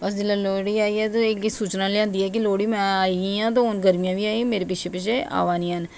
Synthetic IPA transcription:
bəs̬d͡ʒɪlːaːloːɽiːaːiːɛːt̪oɪkɡiːsuːt͡ʃnãːleãːnd̪iːɛːk̬ɪloːɽiːmɛ̃ːaːĩãːt̪̬ãːɦoːnɡəɾmijãːʋiːaːimeːɾeːpɪt͡ʃʰeːpɪt͡ʃʰeːa̰ːʋaːnĩːɦən

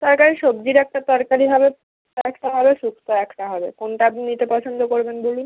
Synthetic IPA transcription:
t̪ɔɾkaɾiʃobd͡ʑiɾɛk̚ʈat̪ɔɾkaɾibʱabe | ɛkʈaɦɔbeʃukʰt̪oɛkʈaɦɔbekonʈanit̪epɔt͡ɕʰond̪okoɾbenbolun

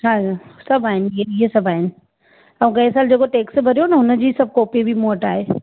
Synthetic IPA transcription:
ɦaːd͡ʑasɐbʱaːɦɪnɪ̆ieiɦesɐbʱaːɦɪnɪ̆ | ɐũɡɐɪsaːld͡ʑeːkoʈeːksbʱɐɾijonɐɦʊnə̆d͡ʑiːsɐb̚ʱkoːpibʱimoːəʈaːɦeː

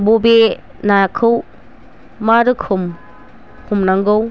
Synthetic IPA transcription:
bobe | nakʰɯw | madɯkʰum | kʰumnaŋɡow

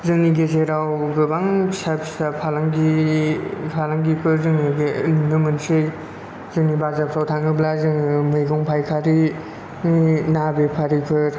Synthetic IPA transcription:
zɯŋniɡezeɾawɡɯbaŋsapsapʰalaŋɡi | pʰalaŋɡipʰɯɾzɯŋɯɡelunɯmɯnsɯj | zɯŋnibazap̚sʰawtʰaŋɯblazɯŋɯmɯjɡɔŋpʰajkʰaɾi | nabepʰaɾipʰɯɾ

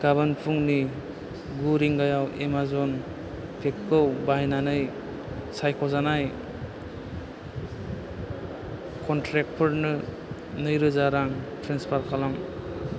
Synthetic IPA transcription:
ɡ̥aβanpʰuŋni | ɡuɾiŋɡajawʔemazɔn | pʰekːɯwbajnanɯj | sajkʰɔzanaj | kʰɔntɾek̚pʰɯɾnɯ | nɯjɾɯzaɾaŋtʰɾenspʰaɾkʰalaŋ

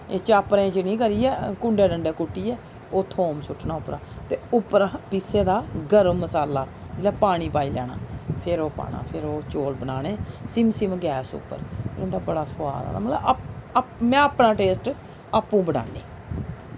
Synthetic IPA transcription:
eːt͡ʃaːpɾẽːt͡ʃənĩːkəɾiːɛːkʊɳɖeːɖəɳɖeːkuʈːiːɛː | oːt̪ʰoːmsʊʈʰnaːʊpɾaːt̪eːʊpːɾapiseːd̪aːɡəɾəmmːəsaːlaː | d͡ʒɪlɛːpaːɽ̃iːpaːiːlɛːɽa̰ːpʰɪɾoːpa̰ːna̰ːpʰɪɾoːt͡ʃoːlbənaːɽeːsɪmsimɡɛːsʊ̰pːə̰ɾpʰɪɾond̪aːbəɽaːsʊwa̰ːɾa̰ːna̰ːmət̪ləb | mɛ̃ːəpnaːʈeːsʈ | aːpːũːbəɽa̰ːneː

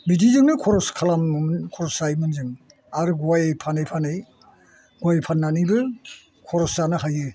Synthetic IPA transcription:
bidizɯŋnɯkʰɔɾɔskʰalamkʰɔɾɔsajmɯnzɯŋ | aɾɡwajpʰanajpʰanɯj | ɡwajpʰanːanibɯ | kʰɔɾɔszanɯɦajɯ

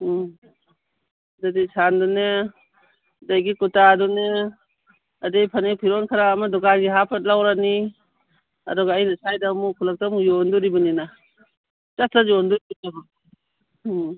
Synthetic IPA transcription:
dadisʰandɔne | dajɡikutadɔne | adejpʰanepʰiɾɔnkʰaɾaːmadɔkanɡiɦapʰat̚lawɾani | a̰dɔɡaajnasajdamukʰulak̚tamjɔnduɾibɯnina | d͡ʒaslazɔnduɾibunaba

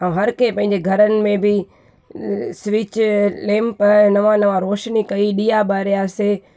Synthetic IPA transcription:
ãɦɐɾkepɐ̃ɦɪ̃ɲ̆d͡ʑeɡʱɐɾənɪ̆mẽbɪ | sʋɪt͡ɕlẽːmpɐnɐʋãnɐʋãɾoːʃnikɐiɗijabaːɾijaːse

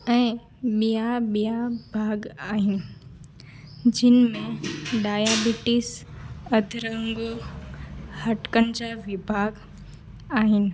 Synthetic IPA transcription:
ɛ̃ː | ɓijaɓijabʱaːɡaːɦɪnɪ̆ | d͡ʑɪnmẽɖaːjaːbɪʈɪsɐd̪ʱɾəɦə̃ŋɡo | hɐʈkənɪ̆d͡ʑaʋɪbʱaːɡ | aːɦɪnɪ̆

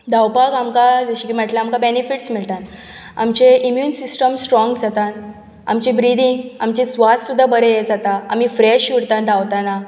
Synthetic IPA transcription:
d̪ʱawpakamkad͡zəɕikimɛʈlaamkabenifiʈsmiɭt̪an | a̰mt͡ɕeimjuːnsisʈəmsʈɾɔŋɡd͡zat̪ãn | a̰mt͡ɕẽbɾid̪iŋɡamt͡ɕẽsʋassud̪ʱːabəɾejed͡zat̪aam̤ifɾeɕjuɽt̪ãnd̪ʱawt̪ana

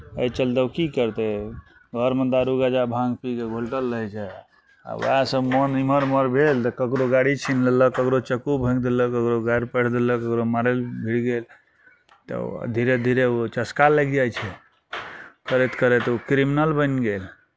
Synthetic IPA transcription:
əjt͡ʃəld̪əwkikəɾt̪ɛ | ɡʱəɾmənd̪aɾuɡad͡ʒabʱãŋɡpikeɡʱolʈəlːəɦɛt͡ʃʰɛ | a̰bə̰asəbmɔniməɾməɾbʱelt̪əkəkɾoɡaɽit͡ʃʰinleləkəkɾot͡ʃəkubʱə̃kd̪eləkəkɾoɡaɾpəɽ̤ʰd̪eləkəkɾomaɾelbʱiɽɡel | t̪ə̰d̪ʱiɾed̪ʱiɾeot͡ʃəskaləɡd͡ʒajt͡ʃʰɛ | kəɾet̪kəɾɛt̪okɾiminəlbənɡel

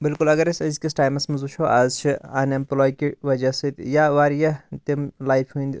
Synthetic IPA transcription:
bɪlkʊlɐɡɐɾɐsɐzkisʈaːjmɐsmɐzut͡ʃʰoʔaːzt͡ʃʰiɐnɐmplɔːjkiʋɐd͡ʒɐsɨt̪jaːʋaːɾjɐt̪imlaːjfʰɦũnd̪

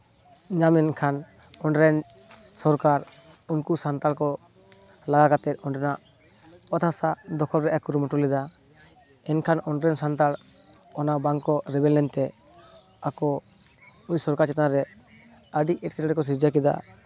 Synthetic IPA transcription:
ɲamɛnkʰan | ɔnɾɛn | sɔɾkaɾ | unkusant̪alkɔ | laɡakat̪ɛt̪̚ˀɔɳɾɛnaʔ | ɔt̪ʰasad̪ɔkʰɔlɾɛʔakuɾumɔʈulɛd̪a | ɛnkʰanɔnɾɛnsant̪al | ɔnabaŋkɔɾɛbɛlnɛnt̪ɛ | akɔ | uɲsɔɾkaɾt͡ʃɛt̪naɾɛ | əɖiʔɛʈ̚kɛɾɛkɔs̬iɾd͡ʒakid̪a̰

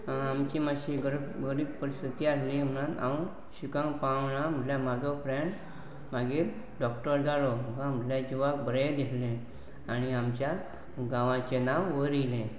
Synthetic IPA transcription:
amt͡ɕimaɕiɡɾɡəɾiːbpəɾist̪ʰit̪iaslĩm̤nãnã̰ | ɕukãŋɡpaʋnam̤əʈljamad͡zʱɔpɾɛɳʈ | maɡiːɾ | ɖɔk̚ʈəɾd͡zaloməkãm̤əʈljad͡ʑuʋak̚bəɾed̪elẽ | añiamt͡ɕja | ɡaʋãt͡ɕenaʋːəɾilẽ

